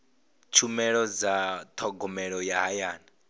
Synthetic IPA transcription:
t͡ʃʰumɛɺɔd͡zat̪ʰɔɡɔmɛɺɔjaɦajaːna

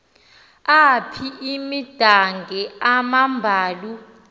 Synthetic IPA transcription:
apʰiʔimid̥ʱaŋɡʱɛamambʱaːlu

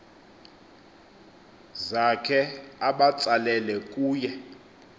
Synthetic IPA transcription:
zakʰɛaɓat͡salɛlɛkʼuːjɛ

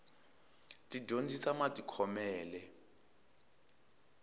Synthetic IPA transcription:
tʼiɟʱond͡zisamatʼikʰɔmɛːlɛ

